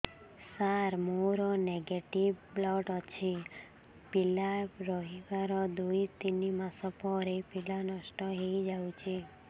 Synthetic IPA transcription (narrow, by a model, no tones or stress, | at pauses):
saɾmoɾɔneɡeʈiʋblɔʈɔt͡ʃʰe | pilaɾɔɦiʋaɾɔd̪oit̪inimãsɔpɔɾepilanɔʃʈɔɦeid͡ʒaũt͡ʃʰe